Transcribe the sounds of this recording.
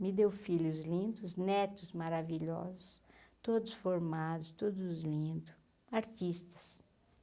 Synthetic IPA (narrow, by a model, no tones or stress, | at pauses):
mɪd̪ewfiʎʊzlĩnd̪ʊznɛt̪ʊzmaɾaviʎɔ̰zʊst̪od̪ʊsfoɾmad̪ʊst̪od̪ʊzlĩnd̪ʊ | aɾt̪ist̪ɐ̥s